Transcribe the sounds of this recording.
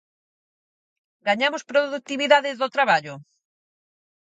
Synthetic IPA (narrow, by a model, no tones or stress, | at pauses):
ɡaɲamʊspɾoðuk̚t̪iβiðaðɪzðot̪ɾaβaʎʊ